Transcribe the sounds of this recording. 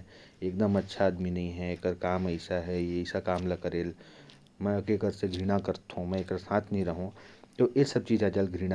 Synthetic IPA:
eːkd̪əmɐtːʃʰaːd̪minɐĩɦɛeːkəɾkaːməɪsaɦɛjeɪsakaːmlakɐɾeːl | mɛ̃ɐkekəɾseɡʱɾiːɽ̃akɐɾt̪ɦũmɛ̃ekəɾsãːt̪ʰnɐɦĩɾɐɦũt̪oʔesɐb̚t͡ʃiːd͡ʒad͡ʒəlɡʱɾiːɽa

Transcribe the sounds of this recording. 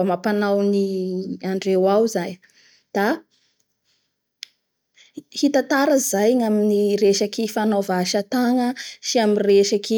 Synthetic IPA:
mapanawniaɳɖ͡ʐewawzaj | d̪̥a | hit̪at̪aɾəzajŋaminiɾeʃakifanovaʃat̪aŋəsiamireʃaki

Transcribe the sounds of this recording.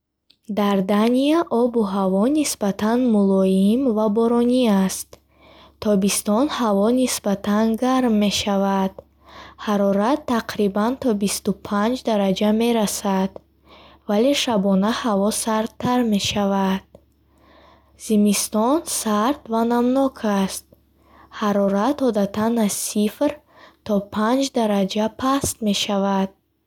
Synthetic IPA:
d̪aɾd̪aniaʔɔbuɦavɔnisbat̪ʰanmulɔjimvabɔɾɔniast̪ | t̪ʰːɔbist̪ɔnhavɔnisbat̪ʰanɡaɾmːe̞ʃavad̪̥ | haɾɔɾat̪ʰːaqɾibant̪ʰɔbist̪upʰand͡ʒd̪aɾad͡ʒame̞ɾasad̪ | vale̞ʃabɔnahavɔsaɾtt̪ʰːaɾme̞ʃavad̪̥̚ | z̥imist̪ɔnsaɾt̪vanamnɔkʰast̪̚ | haɾɔɾat̪ɔd̪at̪ʰanazsifɾ | t̪ʰɔpʰand͡ʒd̪aɾad͡ʒapʰast̪me̞ʃavad̪̥̚

